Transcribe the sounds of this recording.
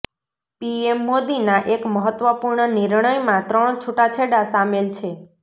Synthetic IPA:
piemːod̪inaʔekməɦət̪ʋəpuɾɳəniɾɳəjmãt̪ɾəɳt͡ʃʰuʈat͡ʃʰeɽasamelt͡ʃʰe

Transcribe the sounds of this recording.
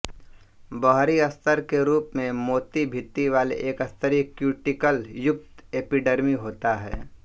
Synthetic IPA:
bɔɦɾiɐst̪ʰəɾkeɾuːpmẽmoːt̪ibʱɪt̪ːiʋaːlḛʔeːkəst̪ʰəɾikjuːʈɪkəljʊk̚t̪eːpiɖeɾmiɦoːt̪aɦɛ̰ː

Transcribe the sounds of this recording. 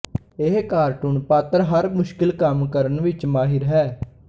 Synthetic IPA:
eɦkaːɾʈʊnpaːt̪əɾɦəɾmʊʃkɪlkəmkəɾənʋɪt͡ʃmaːɦɪɾɦɛː

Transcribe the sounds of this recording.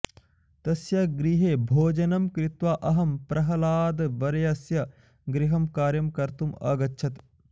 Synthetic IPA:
t̪ɐsjɐɡɾiɦeːbʱoːd͡ʒɐnɐmkɾɪt̪ʋaːʔɐɦɐmpɾʔɐɦɐlaːd̪ʋɐɾɐjɐsjɐ | ɡɾiɦɐmkaːɾjɐmkɐɾt̪umɐ̰ːɡɐtːʃʰɐt̪

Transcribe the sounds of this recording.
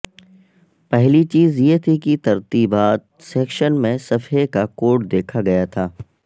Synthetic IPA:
pɛɦlit͡ʃiːzjet̪ʰikit̪ɐɾt̪iːbaːt̪̚ | sɛːkʃənmẽsɐfekakoːʈd̪eːkʰaɡɐjat̪ʰaː

